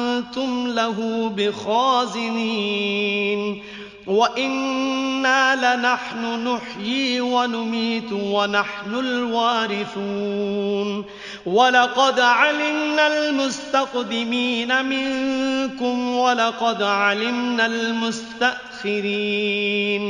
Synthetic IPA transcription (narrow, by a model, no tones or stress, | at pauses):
nt̪ʊmlaɦuːbɪxaːzɪniː | n | waʔɪnːaːlɪnaħnʊnʊħjiːwanʊmiːt̪wanaħnʊlwaːɾɪθuːn | walɑqɑd̪ʕalɪmnalmʊst̪aqd̪ɪmiːnamɪŋkʊmwalɑqɑd̪ʕalɪmnalmʊst̪aʔxɪɾiːn